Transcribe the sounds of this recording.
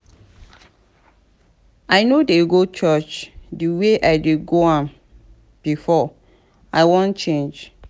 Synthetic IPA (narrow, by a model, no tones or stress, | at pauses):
aɪnodeɡot͡ʃɜt͡ʃdiweʔaɪdeɡoãm | b̥ifɔ | aɪwɔ̃nt͡ʃẽnd͡ʒ